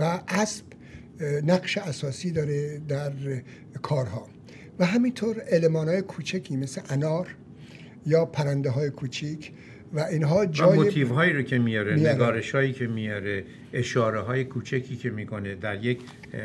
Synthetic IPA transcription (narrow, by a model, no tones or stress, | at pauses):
væʔæsb̥ | næɡʃeæsɒːsiːd̪ɒːɾed̪æɾ | kʰɒːɾɦɒː | væɦæmint̪ʰoːɾelemɒːnɒːjekʰuːt͡ʃʰekʰiːmeseʔænɒːɾ | jɒːpʰæɾænd̪eɦɒːje̞kʰuːt͡ʃʰicʰ | væʔiːnɦɒːd͡ʒɒːjmot̪ʰivɦɒːiːɾocʰʲemijɒɾemijneɾɡɒːɾe̞ʃhɒːjiːcʰe̞mijɒɾe | eʃɒːɾeɦɒːjekʰuːt͡ʃʰækʰiːcʲʰemiːkʰoned̪æɾjec